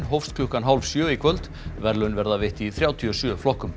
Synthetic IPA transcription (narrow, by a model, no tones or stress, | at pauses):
nɦɔwfst̪kʰlʏhkanɦalvsjœːikʰvœlt̪ | vɛɾlʏnvɛɾðavɪht̪iθɾjaːwt̪ʰiɔsjœːflɔhkʏm